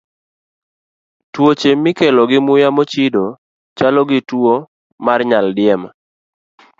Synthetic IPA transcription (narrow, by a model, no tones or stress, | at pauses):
twot͡ʃemːɪkelɔɡɪmʊjamot͡ʃido | t͡ʃalɔɡɪtwo | marɲaldɪɛma